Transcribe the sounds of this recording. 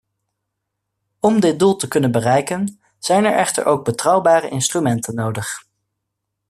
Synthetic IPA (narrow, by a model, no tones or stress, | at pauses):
ɔmdɪt̚dulˠtəkɵnənbərɛjkən | z̥ɛjnɛ̰ɹʔɛχtə̰ɹʔowɡ̚bətrɑwbaːrəʔɪnstrymɛntʰənːowdəχ